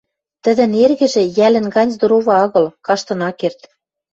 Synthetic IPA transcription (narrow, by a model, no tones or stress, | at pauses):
t̪ə̆ðɘ̆nerɣɘ̆ʒĕjælɘ̆nɡɑnʲzd̪oɾoβɑ̆ɑɣɤ̆lkɑʃt̪ɤ̆nɑkert̪